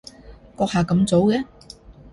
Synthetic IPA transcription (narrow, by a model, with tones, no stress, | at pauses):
kɔː˧k̚haː˨kɐ˨˥mt͡so˨˥wkɛ˨˥